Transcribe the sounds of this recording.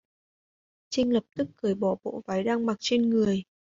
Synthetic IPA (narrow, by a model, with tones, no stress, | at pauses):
t͡ɕï˧ŋ̟lə˨˩p̚t̪ɨ˦˥k̚ːɨ˨˧˩əjɓɔ˧˩ɓo̰˧˨vaː˨˦jɗaː˧ŋma˨˩t̚t͡ɕe˧nŋɨ˨˩əj